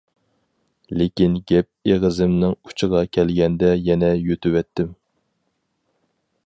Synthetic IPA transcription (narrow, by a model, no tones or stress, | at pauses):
lekʲinɡʲɛp̚eʁəzɪmnɪŋu̥t͡ʃʰɨʁɑkʲʰɛlɡʲɛnd̪ɛjɛnɛjøt̪ywɛt̪ːɪm